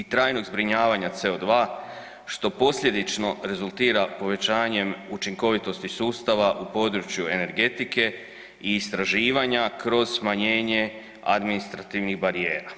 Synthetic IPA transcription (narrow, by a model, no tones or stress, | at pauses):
it̪ɾaːjno̞ɡzbɾiɲaːʋaɲat̪se̞o̞d̪ʋaː | ʃt̪o̞po̞sʎe̞d̪it͡ʃno̞ɾe̞zulˠt̪iːɾapo̞ʋe̞t͡ɕaːɲe̞mut͡ʃiŋko̞ʋit̪ost̪isuːst̪aʋaʔupo̞d̪ɾut͡ʃjue̞ne̞ɾɡe̞t̪ike̞ | iːst̪ɾaʒiːʋaɲakɾo̞z̥smaɲe̞ːɲe̞ | a̰d̪minist̪ɾat̪iːʋniɣbaɾije̞ːɾa